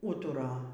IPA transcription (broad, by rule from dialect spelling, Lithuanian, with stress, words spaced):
ˈuːtʊrɐ